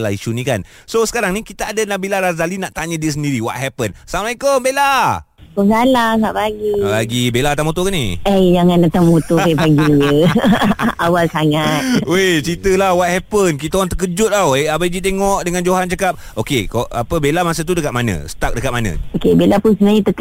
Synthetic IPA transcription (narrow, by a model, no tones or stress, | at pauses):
laiʃunikan | sosə̥kaɾaŋnikit̪aadanabilaɾazalinaʔt̪aɲədiəs̬əndiɾiwɔ̰t̪̚ɦɛpənsamlajkəmbela | koŋɡalaŋa̰ʔpaɡiabaɡibelat̪aŋmut̪ukaniəjd͡ʒaŋãndat̪aŋmut̪ueaɡijə | awalsaŋat̪et͡ʃɾit̪əlahwat̪̚hɛpənkit̪aŋt̪ək̬əd͡ʒʊt̪̚aweabaid͡ʒit̪̬eŋɔʔdəŋand͡ʒoɦant͡ʃakap̚ | okekoa̰pəbelamas̬ət̪̬udəkat̪̚manə̰̃sə̥t̪ak̚dəkat̪̚manə̰̃okebelapʊnsəmaɲət̪ək